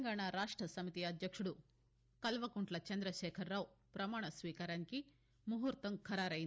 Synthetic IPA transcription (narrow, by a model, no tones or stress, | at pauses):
ŋɡaːɳaɾaːʂʈɾɐsɐmit̪iɐd̪jɐkʂuɽu | kɐlʋɐkuɳʈlɐt͡ʃɐnd̪ɾɐʃɛːkʰɐɾːaːʋupɾɐmaːɳɐsʋiːkaːɾaːniki | muɦuːɾt̪ɐmkʰɐɾaːɾɐjin